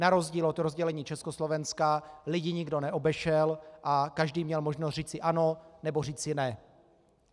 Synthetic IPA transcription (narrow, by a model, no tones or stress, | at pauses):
naɾo̞zɟiːlot̪ɾozɟɛlɛɲiːt͡ʃɛskoslovɛnskalɪɟɪɲɪɡdonɛʔo̞bɛʃɛlʔakaʒdiːmɲɛlmoʒnost̪riːt͡sɪʔano̞nɛboriːt͡sɪnɛ